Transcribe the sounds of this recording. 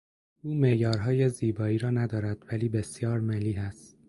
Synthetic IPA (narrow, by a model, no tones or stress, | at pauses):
uːme̞jɒːɾɦɒːje̞ziːbɒːiːɾɒːnæd̪ɒːɾæd̪̥væliːbe̞sjɒːɾmeliːɦæst̪̚